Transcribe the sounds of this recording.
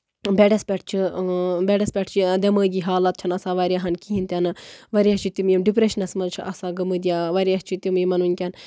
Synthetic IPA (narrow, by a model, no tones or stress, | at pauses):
beɖɐspʲeʈ̚ʰt͡ʃʰibʲeɖɐspʲeʈʰt͡ʃʰid̪ʲɐməːɡʲiɦaːlɐt̪̚t͡ʃʰɐnɐsaʋɐɾʲjaɦɐnkiɦint̪ʲanɨʋɐɾjat͡ʃʰit̪ʲumjimɖipɾeʃɐnɐsmɐnt͡ʃʰiʔɐsaːɡɐmɨd̪ʲijaːʋɐɾʲjaɦt͡ʃʰit̪umjimɐnunʲkʲɐn